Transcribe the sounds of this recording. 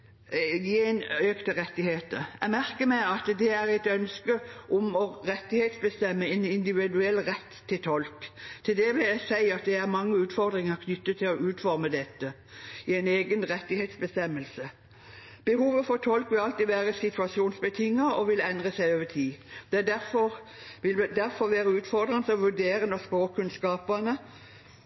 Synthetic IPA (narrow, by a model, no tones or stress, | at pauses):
jiːæɪnøːkt̪əʁɛt̪ːɪheːt̪əɾæmæʁkəmæɪɑt̪d̪ɛæɾæɪt̪œnskəʔɔmɔɾɛt̪ːɪheːt̪sbəst̪ɛmːəɛnɪnd̪ɪʋɪd̪ʉɛlːʁɛt̪ʰːɪlt̪ʰɔlkt̪ʰɪld̪ɛʋɪljæɪsæɪɑt̪̚d̪ɛæɾmɑŋːəʉːt̪fɔɾd̪ɾʁɪŋəʁkʰnʏt̪ːət̪ʰːɪlɔʉːt̪fɔɾməd̪ɛt̪ːə | ɪæɪneːɡənʁɛt̪ːɪheːt̪sbəst̪ɛmːəlsə | b̥əhuːʋəfɔɾt̪ʰɔlkʋɪlɑlt̪iːʋæːɾəsɪt̪ʉɑsjuːnsbət̪ʰɪŋːəɔʋɪlɛnd̪ʁəsæɪøːʋət̪ʰiːd̪̥ɛæɖ̪æɾfɔɾ | ʋɪld̪æɾfɔɾʋeːɾəʉːt̪fɔɾd̪ʁɑnəsɔmʋʉɖeːɾənɔspɾoːkʰːʉnskɑːpənə